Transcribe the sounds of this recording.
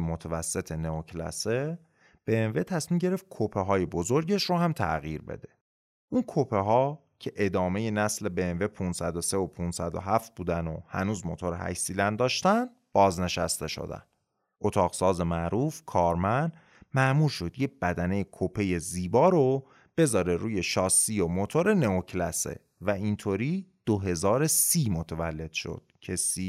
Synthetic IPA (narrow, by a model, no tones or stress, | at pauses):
mot̪ʰævæsːe̞t̪ʰe̞neocʰlæ̰se | b̥enve̞t̪ʰæsmiːmɟe̞ɾe̞ft̪̚kʰopʰeɦɒːje̞bozoɾɟe̞ʃɾohæmt̪ʰæ̰ɣiːɾbḛd̪e̞̥ | ʔunkʰopʰeɦɒː | cʰe̞ʔe̞d̪ɒːme̞jenæsle̞benve̞pʰunsæd̪ose̞opʰunsæd̪o̰ɦæft̪̚buːd̪ænohæ̰nuːzmo̰t̪ʰoɾehæ̰csiːd̪ænd̪ɒːʃt̪ænd̪ | b̥ɒːzne̞ʃæ̰st̪e̞ʃo̞̰d̪æ̰n | ʔot̪ʰɒːɣsɒːze̞mæʔɾuːfkʰɒːɾmænd̪̥ | mæʔmuːɾʃo̞d̪jebæd̪æne̞jekʰopʰe̞je̞ziːbɒːɾo | b̥e̞zɒːɾe̞ɾuːje̞ʃɒːsːijomot̪ʰoɾe̞neocʰlæsḛ | væint̪ʰoɾiːd̪̥oɦe̞zɒːɾesiːmo̞t̪ʰevælːe̞d̪̥ʃo̰d̪̥cʰe̞siː